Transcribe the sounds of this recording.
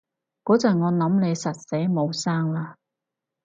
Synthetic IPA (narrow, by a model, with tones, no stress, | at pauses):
kɔː˨˥t͡sɐ˨˩ŋɔː˨˧nɐ˨˥mne˨˧jsɐ˨t̚se˨˥jmo˨˧wsaː˥ŋlaː˧